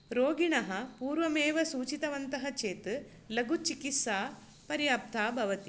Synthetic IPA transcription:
ɾoːɡiɳɐɦɐpuːɾʋɐmeːʋɐsuːt͡ʃit̪ɐʋɐnt̪ɐɦɐt͡ʃeːt̪ɨ | lɐɡut͡ʃikisaː | pɐɾjaːp̚t̪ʰaːbʱɐʋɐt̪i

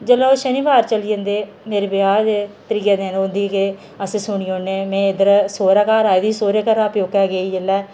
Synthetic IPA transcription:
d͡ʒəlaːʃəniːʋaːɾt͡ʃəlijə̃nd̪eː | meːɾebɪaːd͡ʒet̪əɾiːad̪enõnd̪iːke | əsesʊɳiːõːneːmɛ̃ːɪd̪əɾsoːɾaːkaːɾaːed̪iːsoːɾeːkəɾaːpjoːkɛːɡeːiːd͡ʒəlːɛː

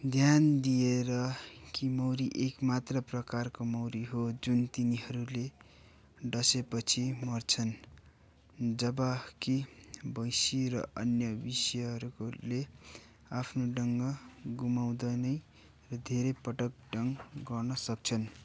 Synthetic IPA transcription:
d̪ʱjand̪ijeɾʌkimʌwɾiʔekmat̪rʌprʌkarkomʌwɾiɦod͡zunt̪iniɦʌɾule | ɖʌsepʌt͡sʰimʌrt͡sʰʌn | d͡zʌbʌkibʌjsirʌ̰ʌnjʌbisjʌɦʌɾule | apʰnoɖʌŋɡʌɡumaw̃d̪ʌnʌj | rʌd̪ʱeɾʌjpʌʈʌk̚ɖʌŋɡʌrnʌsʌk̚t͡sʰʌn

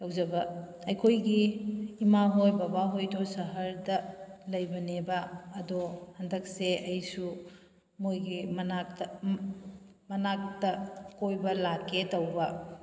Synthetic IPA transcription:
lɐwzɐbɐ | ɐjkʰojɡiːmaɦojbabaɦojdɔsɐɦɐɾdɐlɐjbɐnebɐːdohɐndɐk̚seɐjsu | mojɡimna | mɐnak̚tɐkojbɐlaketɐwbɐ

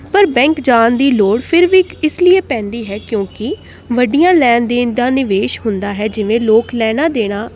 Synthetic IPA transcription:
pəɾbɛ̃ːŋkd͡ʒaːnd̪iːloːɽpʰɪɾʋiːɪslɪeːpɛ̃ːnd̪iːɦɛːkjõːkɪ | ʋəɖijãːlɛːnd̪eːnd̪ãːnɪʋeːʃɦʊnd̪aːɦɛːd͡ʒɪʋẽːloːklɛːɽ̃aːd̪eːɽ̃aː

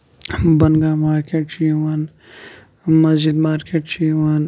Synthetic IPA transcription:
bɐnɡaːmaːɾkeːʈt͡ʃiwan | mɐzd͡ʒid̪maːɾkeːʈt͡ʃiwan

